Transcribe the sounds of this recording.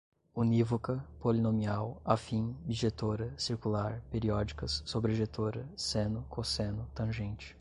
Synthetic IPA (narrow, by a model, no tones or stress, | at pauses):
univokɐpolinõmiawafĩd͡ʒiʒet̪oɾɐsiɾkulaɾpeɾiɔd͡ʒikɐsːobɾeʒet̪oɾɐsẽnʊkʰosẽnʊt̪ɐ̃ʒẽnt͡ʃɪ̥